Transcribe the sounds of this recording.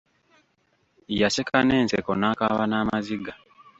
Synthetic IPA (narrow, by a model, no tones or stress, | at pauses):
ijasekane̞ːnsekonaːkaβanaːmaziɡa